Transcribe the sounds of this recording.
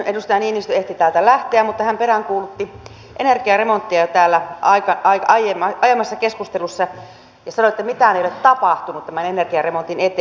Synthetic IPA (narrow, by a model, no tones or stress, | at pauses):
enust̪ɑjɑniːnːist̪yeht̪it̪æːlt̪ælæht̪eæmmut̪ːɑhæmpeɾæŋkuːlut̪ːi | ʔenerkiɑremont̪ːiɑt̪æːlːæʔɑikɑɑikɑjemɑɑjemːɑsːɑkeskust̪elusːɑ | jɑsɑnoet̪ːæmit̪æneˑiolet̪t̪ɑpɑht̪unut̪t̪æmænenerkiɑremont̪inet̪e